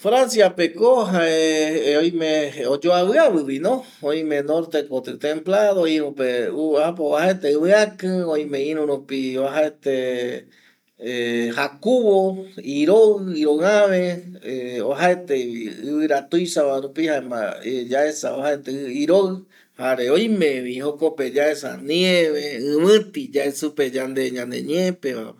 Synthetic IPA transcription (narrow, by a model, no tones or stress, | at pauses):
fɾansjapekoɦaeojmẽod͡ʒoaβɨaβɨβinõ | oj̃mẽnoɾt̪ekot̪ɨt̪ẽmplaðoĩɾũpeuapoahaet̪eɨβɨ̃akɨ̃oj̃meĩɾũɾupiaɦaet̪e | hakuβoiɾoiɾoãβeeoɦaet̪eiɨβɨɾat̪ujsaβaɾũpihaema̰ed͡ʒaesa̰ohaet̪eiɾo | haɾeoj̃mẽβihokoped͡ʒaesa̰nĩẽβeɨ̃mɨ̃t̪id͡ʒaesuped͡ʒãnd̪eɲãnd̪ḛɲẽpeβa̰